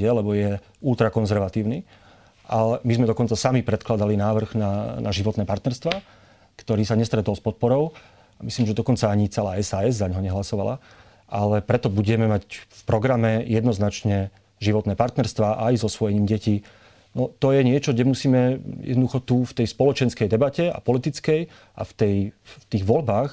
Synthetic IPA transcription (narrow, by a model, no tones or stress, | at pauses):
ɛlɛbɔjɛ | ult̪ɾakɔnzɛɾʋat̪iːʊni | ʔalɛmizmɛd̪ɔkɔnt͡sasamipɾɛt̪klad̪alinaːʋr̩ɣnana̰ʒiʋɔt̪nɛːpaɾt̪nɛɾst̪ʋaː | kt̪ɔɾiːsaɲɛst̪ɾɛt̪ɔlspɔt̪̚pɔɾɔʊ | amisliːmʒɛd̪ɔkɔnt͡saaɲit͡sɛlaːɛsaːɛzzaɲɦɔɲɛɦlasɔʋala̰ | ʔalɛpɾɛt̪ɔbuɟɛmɛmacfpɾɔɡɾamɛjɛd̪nɔznat͡ʃɲɛ | ʒiʋɔt̪nɛːpaɾt̪nɛɾst̪ʋaːʔajzɔsʋɔjɛɲiːmɟɛci | nɔt̪ɔjɛɲɪɛt͡ʃɔɡɟɛmusiːmɛjɛ̰d̪nɔd̪uxɔt̪uft̪ɛjspɔlɔt͡ʃɛnskɛjd̪ɛbacɛa̰pɔlit̪it͡skɛj | ʔa̰ft̪ɛjft̪iːɣʋɔlbaːx